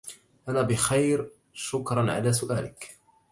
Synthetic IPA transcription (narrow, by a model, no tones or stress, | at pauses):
ʔanaːbɪxajɾ | ʃʊkɾˤɑnʕa̰laːsʊʔaːlɪk